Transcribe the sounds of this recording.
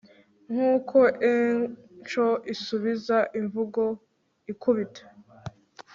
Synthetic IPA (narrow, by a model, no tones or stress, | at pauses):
ŋ̥uːkʰo̞ʔet͡ʃoisuβizaʔiɱvuɡo̞ | ikuβitʰe̥